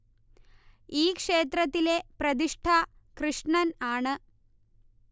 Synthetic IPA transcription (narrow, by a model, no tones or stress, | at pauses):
iːkʂeːt̪ɾɐt̪ːileprɐd̪iʂʈʰa | krɨʂɳɐnaːɳɨ